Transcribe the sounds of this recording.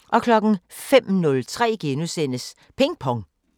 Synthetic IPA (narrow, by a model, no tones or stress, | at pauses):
ʔɒ̽kʰlɒ̽ɡ̥n̩fem̰nɔ̽lt͡sʰʁɛ̰ːɡ̥enusen̰əs | pʰeŋ̚pʰɒŋ